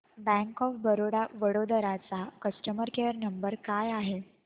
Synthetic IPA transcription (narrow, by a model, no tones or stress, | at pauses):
bæ̃ŋkɔfbəɾoɽaʋəɽod̪əɾat͡sakəsʈəməɾkeəɾnəmbəɾkajaɦe